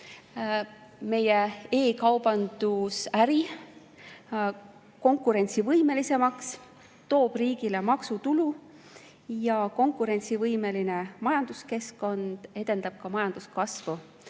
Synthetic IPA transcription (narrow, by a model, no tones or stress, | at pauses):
me̞jee̞ːkɑwb̥ɑnd̪̥usæɾi | ko̞ŋkːˑuɾe̞nʲt̪sivɤjme̞lise̞mɑks | t̪o̞ːb̥riːɡ̥ile̞mɑksut̪ulu | jɑko̞ŋkˑuɾe̞nʲt̪sivɤjme̞linemɑjɑnd̪̥uske̞sko̞nd̪̥e̞d̪̥e̞nd̪̥ɑb̥̚kɑmɑjɑnd̪̥uskɑsvu